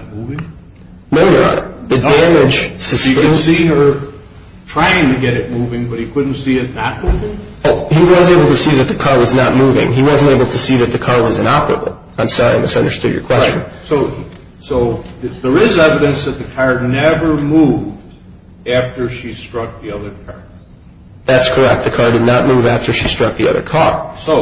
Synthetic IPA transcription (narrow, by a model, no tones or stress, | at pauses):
muvɪ̃ŋ | nõʊəə̰ðɨdæ̃mɪd̥ʒ̥sɨskɨsĩə˞ | tʰɹ̥aɪɪ̃ŋtɨɡɛɾɨt̚muvɪ̃ŋbʌt̚hikʰʊdⁿn̩tsiɨtⁿnət̚muvɪ̃ŋ | hiwʌzeɪbl̩ˠtʰɨsiðɨt̪̚ðɨkʰɑɹwʌznət̚muvɪ̰̃ŋiwʌz̃nteɪbl̩ˠtʰɨsiðɨt̪̚ðɨkʰɑɹwʌzɨ̃nɑpə˞ɨ̰bl̩ˠ | ãɪ̃msɑɹiãmʌstʌ̃ndə˞stʊ̰d͡ʒjə̰˞kʰw̥ɛst͡ʃɨ̃nnsoʊ | soʊðə˞ɪzɛvɨɾɨ̃nsðɨt̪̚ðɨkʰɑɹnɛvə˞muvd | æftə˞ʃistɹ̥ʌk̚ðiʌðə˞kʰɑɹ | ðætskʰə˞ɛk̚t̪̚ðɨkʰɑɹdɨdⁿnət̚muvæftʰə˞ʃistɹ̥ʌk̚ðiʌ̰ðə̰˞kʰɑɹsoʊ